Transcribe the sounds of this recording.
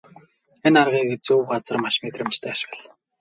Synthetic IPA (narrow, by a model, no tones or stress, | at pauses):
enarʁiːɡet͡suwɢat͡sə̆rmaʃmet̪rɘ̆mt͡ɕt̪ʰæːʃ̆ə̆ɮ